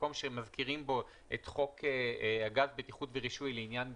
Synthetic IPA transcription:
ko̞mʃemazkiʁimbo̞ | et̪χo̞kʰeaɡatbet̪iχutveʁiʃujleinjan

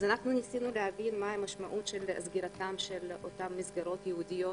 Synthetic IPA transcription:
azanaχnunisinulehavinmaamaʃmaʔut̪ʃelzɡiɾatamʃelo̰tamːizɡaʁo̞t̪jeud̪ijo̞t

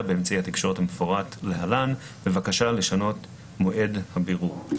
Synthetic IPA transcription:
beemt͡saihat̪ikʃo̞ʁethamefoʁatlehalan | be̞vakaʃale̞ʃano̞t | mo̞ʔe̞dhabiʁuʁ

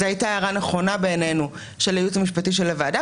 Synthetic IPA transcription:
zeajtaːaʁaneχo̞nabe̞ːnenu | ʃelejutamiʃpatiʃ̬elːevada

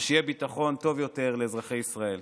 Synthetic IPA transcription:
ʃejebit̪aχo̞nt̪o̞vjo̞te̞ʁle̞zʁaχe̞jisʁae̞l

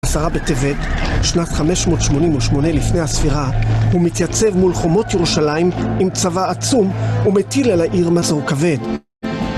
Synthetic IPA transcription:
asaʁabetevedʃnatχame̞ʃmo̞tʃmo̞nimuʃmo̞ne̞lifne̞jasfiʁahumitjat͡se̞vmulχomo̞tjeʁuʃalaimimt͡savaːt͡sumumetilelaʔiʁmazoʁkave̞d

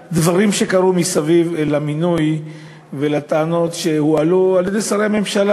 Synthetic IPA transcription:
d̪vaʁimʃe̞kaʁumisavivelaminuj | velat̪aano̞t̪ʃehualualjedesaʁeame̞mʃala

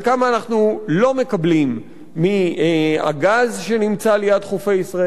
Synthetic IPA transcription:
kamaːnaχnulo̞me̞kablimː | ia̰ɡazʃe̞nimt͡salejadχofe̞jisʁae

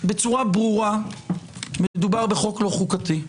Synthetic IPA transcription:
be̞t͡suʁabʁuʁa | meed̪ubaʁbe̞χo̞klo̞χukati

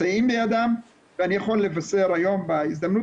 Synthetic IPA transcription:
aimbejad̪am | veanijaxolːevaseɾhajombaizd̪amnu

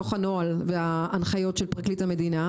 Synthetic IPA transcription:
oχano̞alveaːnχajo̞tʃelpʁaklithame̞d̪ina

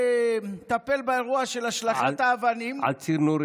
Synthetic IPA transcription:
t̪ape̞lbaeʁuaʃe̞laʃlaχat̪aːvanima̰lt͡siɾnuɾ

